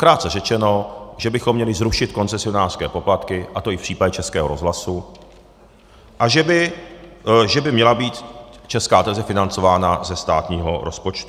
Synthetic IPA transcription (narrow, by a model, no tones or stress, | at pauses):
kɾaːt̪t͡sɛrɛt͡ʃɛno̞ʒɛbɪxomːɲɛlɪzɾuʃɪt̪ko̞nt͡sɛsɪo̞naːr̥skɛːpo̞plat̪kɪʔat̪o̞ɪfpr̥iːpaɟɛt͡ʃɛskɛːɦo̞ɾozɦlasu | ʔaʒɛbɪ | ʒɛbɪmɲɛlabiːt̪t͡ʃɛskaːt̪ɛlzɛfɪnant͡so̞vaːnazɛst̪aːt̪ɲiːɦo̰ɾo̞spo̞t͡ʃt̪u